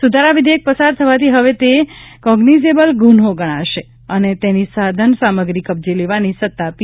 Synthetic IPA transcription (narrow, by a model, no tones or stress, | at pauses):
sud̪ʱaɾaʋid̪ʱiek̚pəsaɾt̪ʰəʋat̪iɦəʋet̪ekɔɡnid͡ʒebəlɡunɦoɡəɽ̃aʃe | ənet̪enisad̪ʱənsaməɡɾikəbd͡ʒeleʋanisət̪ːapi